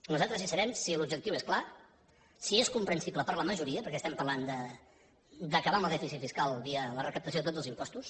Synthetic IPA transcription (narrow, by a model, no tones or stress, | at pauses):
nuzalˠt̪ɾəzasəɾɛmsilubd͡ʒəkt̪iweskla | sieskumpɾənsibləpəɾləməʒuɾiəpəɾkɛst̪ɛmpərland̪ə | d̪əkəβaəmləðɛfisifiskalˠβiələrəkəp̚t̪əs̬oðət̪od͡zəlˠzimpɔst̪us